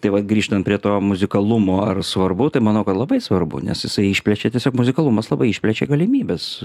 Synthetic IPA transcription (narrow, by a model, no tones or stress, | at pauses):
t̪ɐɪʋɐt̪ɡɾʲiːʃt̪ɐnt̪̚pʲɾʲiɛt̪oːmʊzʲɪkɐlˠumoːɐrsʋɐrbʊt̪ɐɪmɐnɐʊkɐt̪lˠɐbɐɪsʋɐrbʊ̰nʲɛ̰sjɪsɐɪɪʃʲpʲlʲɛt͡ʃʲɛt̪ʲiɛsʲoːkmʊzʲɪkɐlˠumɐslˠɐbɐɪɪʃʲpʲlʲɛt͡ʃʲɛ̰ɡɐlʲɪmʲiːbʲeːs